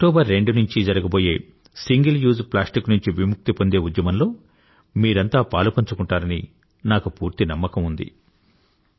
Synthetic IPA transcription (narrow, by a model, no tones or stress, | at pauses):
ɐk̚ʈɔːbɐɾːe̞ɳɖunuɲt͡ʃid͡ʒɐɾɐɡɐboːje̞ː | siŋɡɐljuːzplaːsʈiknuɲt͡ʃiʋimuk̚t̪ipo̞nd̪e̞ːud̪jɐmɐnlo̞ː | miːɾɐnt̪aːpaːlupɐɲt͡ʃukuɳʈaːɾɐni | naːkupuːɾt̪inɐmːɐkɐmund̪ḭ